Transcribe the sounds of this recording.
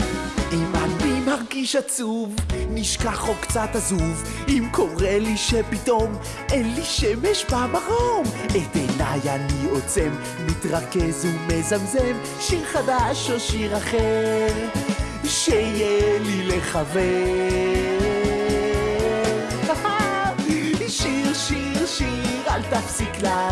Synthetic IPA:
imanimaʁɡiʃat͡suvniʃkaχokt͡satazuv | imkʰo̞ʁeliʃepito̞m | enliʃemeʃbamaʁometenajaniot͡semː | itʁakezumezamzem | ʃiʁχadaʃoʃiʁaχeʁ | ʃeijelileχave | aa | iʃiʁʃiʁʃiʁalt̪afsikla

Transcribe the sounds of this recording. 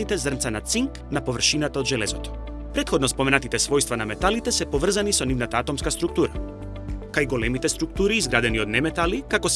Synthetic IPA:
it̪ɛzrnt̪sanat̪siŋk | napovr̩ʃinat̪aod̪ʒɛlɛzɔt̪ɔ̥ | pɾɛt̪xɔd̪nɔspɔmɛnat̪it̪ɛsvɔjst̪vanamɛt̪alit̪ɛsɛpovr̩zanisɔnivnat̪aat̪ɔmskast̪ɾuk̚t̪uɾa | kajɡolɛmit̪ɛst̪ɾuk̚t̪uɾiːzɡɾad̪ɛniod̪nɛmɛt̪alikakɔs

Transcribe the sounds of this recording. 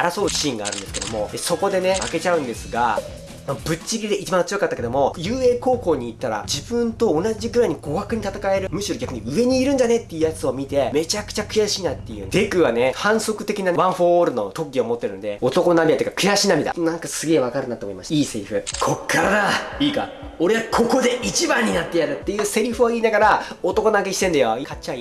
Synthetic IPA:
aɾaso̞ːi̥ɕĩŋɡaːɾɯ̟nd̪esɨ̥ke̞d̪o̞mo̞eso̞ko̞d̪e̞ne̞ake̞t͡ɕaɯ̟̃nd̪e̞sɨɡa | mabɯ̟t͡ɕiɡʲid̪e̞ʔit͡ɕibãnt͡sɨjokat̪ːakeo̞mo̞jɯ̟ːe̞ːko̞ːko̞ːɲ̟iːt̪ːaɾa̰d͡ʑibɯ̟̃nt̪o̞ːnaʑiɡɯɾaiɲ̟iɡ̥o̞ɡakɯ̟ɲ̟it̪at̪akae̞ɾɯ̟mɯ̟ɕiɾo̞ɡʲakɯ̟ɲ̟iɯ̟e̞ɲ̟iːɾɯ̟ndane̞t̪ːe̞jɯ̟jat͡sɨo̞mʲit̪e̞me̞t͡ɕakɯ̥t͡ɕakɯ̟jaɕiːnat̪ːejɯ̟̰̃nd̪e̞kɯ̟βane̞hãɰ̃so̞kɯ̟t̪e̞kʲinaβãɰ̃ɸoːɾɯ̟no̞̰t̪o̞kɡʲiomo̞t̪ːe̞ɾɯ̟no̞d̪e̞̰o̞t̪o̞kononabʲiat̪ːjikakɯ̟jaɕiːnamid̪a̰nãŋkasɨɡe̞ːβakaɾɯ̟nat̪ːomo̞imaɕi̥iːse̞ɾʲiɸɯ̟̰kʰo̞kʰːaɾad̪aiːka̰ | o̞ɾe̞akʰo̞ko̞d̪e̞ʔit͡ɕibãɲ̟ːinat̪ːe̞jaɾɯ̟t̪ːe̞jɯ̟ːse̞ɾʲiɸɯ̟βaiːnaɡaɾao̞t̪o̞ko̞nãkeɕi̥t̪ẽ̞nd̪ajoikat͡ɕai

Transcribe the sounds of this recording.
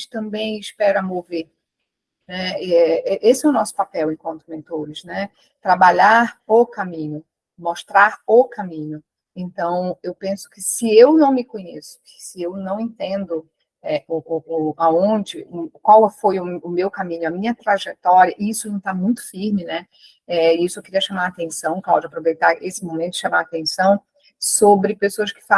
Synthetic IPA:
t͡ʃɪ̥t̪ɐ̃mbẽj̃ɪʃpɛɾɐmoveɾ | nɛɛɛʔesɪɛʊnɔsʊ̥papɛwẽkwɐ̃nt̪ʊmẽnt̪oɾɪznɛ | t̪ɾabaʎaɾokamĩɲʊ | moʃt̪ɾaɾʊkamĩɲʊ | ẽnt̪ɐ̃w̃ewpẽsʊ̥kɪsɪewnɐ̃w̃mɪkõɲesʊ̥kɪ̥sɪewnɐ̃w̃ẽnt̪ẽnd̪ʊ | ɛʊʊaõd͡ʒɪkwawfojʊʊmewkamĩɲʊɐmĩɲɐt̪ɾaʒɛt̪ɔɾiɐʔɪisʊĩd̪t̪amũj̃t̪ʊ̥fiɾmɪnɛ | ɛɪisʊewkɪɾiɐʃamaɾat̪ẽsɐ̃w̃klawd͡ʒapɾovejt̪aɾesɪmõmẽt̪ʊd͡ʒɪʃamaɾat̪ẽsɐ̃w̃ | sobɾɪpesoɐskɪ̥fa

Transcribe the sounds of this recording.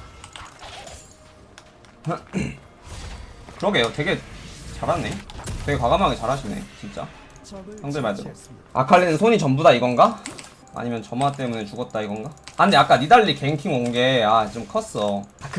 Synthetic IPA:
kɯɾʌɡe̞jotwe̞ɡe̞t͡ɕaɾɦanːe̞twe̞ɡe̞kwaɡamɦaɡet͡ɕaɾɦaɕʰine̞̰t͡ɕint͡ɕ͈a̰ | hjʌŋdɯɭmaɭdɯɾo̰ | a̰kʰaɭːinɯnsʰoɲit͡ɕʌmbudaiɡʌnɡa | a̰ɲimjʌnt͡ɕʌmat͈e̞mune̞t͡ɕuɡʌt̚t͈aiɡʌnɡaanndeak͈anidaʎːike̞iŋkʰiŋoŋɡe̞at͡ɕomkʰʌs͈ʌk

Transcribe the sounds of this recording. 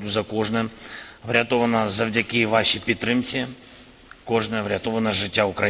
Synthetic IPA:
d̪ʊzɐkɔʐnɛvɾʲɐt̪ɔʋɐnɐzɐvdʲɐkʲɪʋaʃipʲit̪ːɾɪmt͡sʲiɐ | kɔʐnɐvɾʲɐt̪ɔvɐnɐʐɪtʲːaʊkɾɐ

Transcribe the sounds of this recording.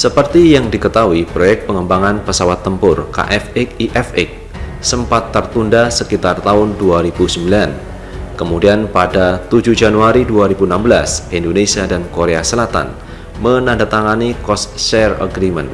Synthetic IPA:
səpərt̪ijaŋdikət̪awipɾojɛk̚pəŋəmbaŋanpəsawat̪ːəmpʊrka̰ʔɛfɪk̚iʔɛfɪk̚ | səmpat̪ːərt̪undasəkit̪art̪aʊnduaɾibusəmbilan | kəmudianpadat̪ud͡ʒuhd͡ʒanuaɾiduaɾibuənambəlasindonesiadankoɾeasəlat̪a̰n | mənandat̪aŋanikɔsʃɛrə̰ɡɾimə̰n

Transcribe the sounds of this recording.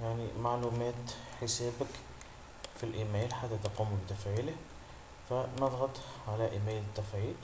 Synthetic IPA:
jaʕnimaʕluːmæːt̪ħɪseːbak | filʔiːmeːlħat̪ːat̪ɑquːmbɪt̪afʕiːlɪh | fanɑðˤɣɑt̪ˤʕalaʔiːmeːlɪt̪ːafʕiːl

